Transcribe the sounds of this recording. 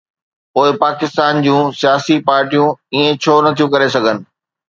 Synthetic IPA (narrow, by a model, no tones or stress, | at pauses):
poːɪpaːkɪst̪aːnd͡ʑũːsijaːsipaːɾʈijũiːẽt͡ɕʰoːnɐt̪ʰijũkɐɾesɐɡʱənɪ̆